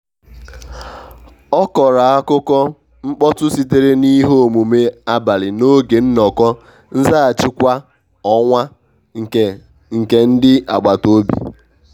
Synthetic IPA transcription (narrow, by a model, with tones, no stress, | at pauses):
ɔ˦kɔ˨ɾa˨a˦kʊ˦kɔ˦ | ŋ͡m̩˦k͡pɔ˦tʊ˦si˦t̬e˦ɾe˦ni˦ɦo˦o˨mu˨me˦a˦ba˨lɪ˨no˦ɡe˨n̩˦nɔ˨kɔ˦ | n̩˦za˦a˨t͡ʃɪ˦kʷa˦ | ɔ˦ŋʷa˦ | ŋ̩˨ke˨n̩˦dɪ˦a˨ɡ͡ba˨to˦bḭ˨